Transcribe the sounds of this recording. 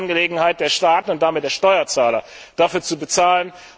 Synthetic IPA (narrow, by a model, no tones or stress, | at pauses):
nɡəleːɡŋ̩haɪt̚d̥eːɐʃtaːtn̩ʊnt̚d̥amɪt̚d̥eːɐʃtɔʏɐt͡saːlɐ | d̥afyːɐt͡subət͡saːlən